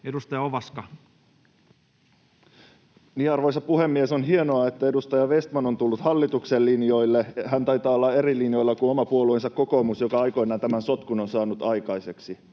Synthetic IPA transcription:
edust̪ɑjɑoʋɑskɑ | niːɑrʋo̞jsɑpuɦe̞mːie̞so̞nɦie̞noɑe̞t̪ːæe̞dust̪ɑjɑʋe̞st̪mɑno̞nt̪ulːut̪hɑlːit̪ukse̞lːinjo̞jlːe̞ɦænt̪ɑjt̪ɑːolːɑe̞ɾilinjo̞jlːɑkuno̞mɑpuoluensɑkːo̞ko̞ːmusjo̞kɑɑjko̞jnɑːnt̪æmænso̞t̪kuno̞nsɑːnut̪ɑjkɑjse̞ksi

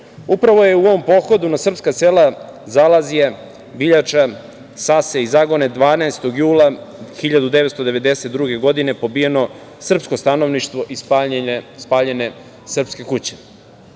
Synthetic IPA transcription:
upɾaʋo̞je̞uoʋo̞mpo̞xod̪unasr̩pskaselazalazije | biʎat͡ʃa | saseizaːɡo̞ned̪ʋaːnaest̪o̞ɡjuːlˠaxiʎad̪ud̪eet̪st̪od̪e̞ʋe̞d̪eset̪̚d̪ɾuɡe̞ɡo̞d̪ine̞po̞bije̞no̞ | sr̩psko̞st̪ano̞ʋniʃt̪ʋo̞ʔispspaːʎene̞ | sr̩pske̞kut͡ɕe̥

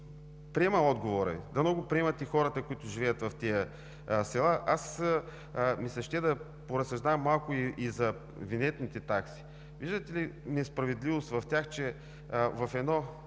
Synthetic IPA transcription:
pɾiɛmɐɔd̪ɡovoɾɐ̰d̪ɐmnɔɡʊpɾiɛmɐt̪ixɔɾət̪əkʊit̪ʊʒivɛjət̪vɐft̪ijə | sɛlˠaʔas | misɐʃt̪ʲɛd̪ɐ | poɾɐsɐʒd̪amːalˠkʊiʔizɐ | vinɛt̪nit̪ɛt̪aksi̥ | viʒd̪ət̪ɛlinɛspɾɐvɛd̪livost̪vɐft̪ʲjaxt͡ʃɛ | vɐfɛd̪nɔ

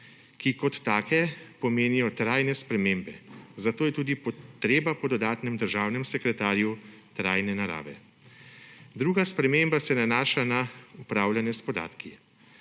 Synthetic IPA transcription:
kikɔt̪ːaːkɛpɔmeːnijɔt̪ɾaːjnɛspɾɛmeːmbɛzat̪oːjɛt̪uːd̪ipɔt̪ɾeːbapɔd̪ɔd̪aːt̪nɛmd̪əɾʒaːwnɛmsɛkɾɛt̪aːɾju | t̪ɾajnɛnaɾa̰ːʋɛ̰ | d̪ɾuːɡaspɾɛmembasɛnanaːʃanaupɾaːwlʲjanɛspɔd̪a̰ːt̪ki

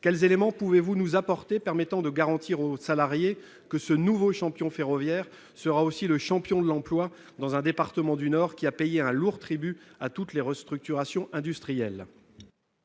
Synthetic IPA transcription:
kʲɛlzelemɑ̃puvevunuzapɔʁt̪epɛʁmɛt̪ɑ̃d̪əɡaʁɑ̃t̪iʁosalaʁje | kəsənuvoʃɑ̃pjɔ̃feʁɔvjɛʁ | səʁaosiləʃɑ̃pjɔ̃d̪əlɑ̃plwa | d̪ɑ̃zɛ̃d̪epaʁt̪əmɑ̃d̪ynɔʁkʲiapejeɛ̃luʁt̪χibyat̪ut̪leʁəst̪χyk̚t̪yʁasjɔ̃ʔɛ̃d̪yst̪χijɛl

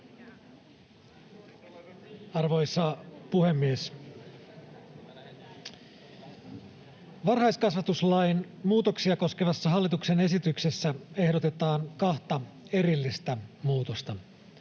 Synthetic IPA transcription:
ɑrʋo̞jsɑpuhemːies | ʋɑrɦɑjskɑsʋɑt̪uslɑjn | muːt̪o̞ksiɑko̞ske̞ʋɑsːɑɦɑlːit̪uksene̞sit̪ykse̞sːæe̞hdot̪e̞t̪ɑːŋkɑht̪ɑ | e̞ɾilːist̪æmuːt̪ost̪ɑ

